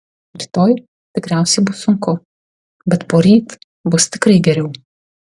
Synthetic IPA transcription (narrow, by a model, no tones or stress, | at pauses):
ɾʲɪt̪oːj | t̪ʲɪkɾʲæˑʊsʲɛɪbʊsːʊŋkʊ | bʲɛt̪poːɾʲiːt̪ | bʊst̪ʲɪkɾɐɪɡʲɛɾʲɛʊ